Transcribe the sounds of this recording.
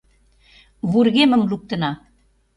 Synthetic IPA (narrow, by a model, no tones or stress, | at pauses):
βurɣemə̆mluk̚t̪ə̆nɑ